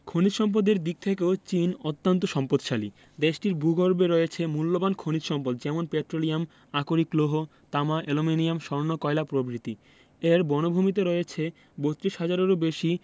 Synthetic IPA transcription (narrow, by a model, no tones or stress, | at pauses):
kʰonit̪ʃɔmp̬od̪eɾd̪ik̚t̪ʰekeot͡ɕinot̪ːant̪oʃɔmpod̪ʃalḭ | d̪eʃʈiɾbʱuɡʱoɾbeɾɔeet͡ɕʰemulːobankʰonit̪ʃɔmpod̪d͡ʑɛmonpeʈɾoliam | akoɾikloɦo | t̪amaʔelominijamʃɔɾnokɔelapɾobɾit̪i | eɾbɔnobʱumit̪̬eɾɔeet͡ɕʰe | bot̪ːɾiʃɦad͡ʑaɾeɾobeʃi